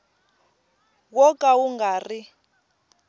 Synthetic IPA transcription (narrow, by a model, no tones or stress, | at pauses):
wɔkʼawuŋɡaːri